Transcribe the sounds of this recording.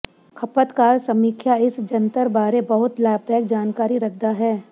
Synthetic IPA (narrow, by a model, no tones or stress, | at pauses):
kʰɐpət̪kaːɾsɐmiːkʰjaɪsd͡ʒɐ̃nt̪əɾbaːɾebɐɦʊt̪laːb̚d̪aːɪk̚d͡ʒaːnkaːɾiɾɐkʰd̪aɦɛː